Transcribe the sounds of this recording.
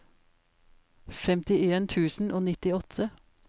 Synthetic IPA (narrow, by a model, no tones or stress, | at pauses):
fɛmt̪ɪeːnt̪ʰʉːsn̩ʔoːnɪt̪ɪɔt̪ʰə